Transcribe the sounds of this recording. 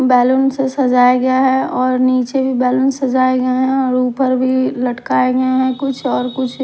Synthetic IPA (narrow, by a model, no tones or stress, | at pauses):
bɛːlunsesɐd͡ʒaːjeɡəjaɦɛɔːɾniːt͡ʃebʱibɛːlunsɐd͡ʒaːjeɡəjeɦɛ̃ɔːɾuːpəɾbʱilɐʈkaːeɡəeɦɛ̃kʊt͡ʃʰɔːɾkʊt͡ʃʰ